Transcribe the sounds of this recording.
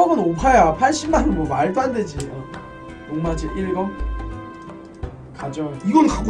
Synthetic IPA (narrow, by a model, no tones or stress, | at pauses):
ʌɡɯnopʰajapʰaɭɕʰimmːanɯnmwʌmaɭt͈oɦanded͡ʑiʌ | oŋmad͡ʑiʔiɭɡʌ | kad͡ʑoiɡʌnkaɡ